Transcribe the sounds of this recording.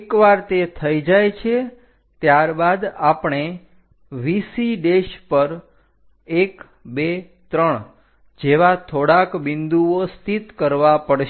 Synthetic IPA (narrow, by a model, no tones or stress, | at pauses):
kʋaɾt̪et̪ʰəid͡ʒajt͡ʃʰe | t̪jaɾbad̪apɳ̃e | ʋisiɖeʃpəɾ | ek | be | t̪ɾəɳ | d͡ʒeʋat̪ʰoɽakbɪnd̪uost̪ʰit̪kəɾʋapəɽʃ